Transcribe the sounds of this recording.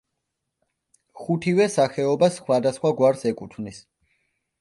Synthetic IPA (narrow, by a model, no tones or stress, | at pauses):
χut̪ʰivɛsaχɛɔbasːχwad̪asχwaɡwaɾsɛkʼut̪ʰvnis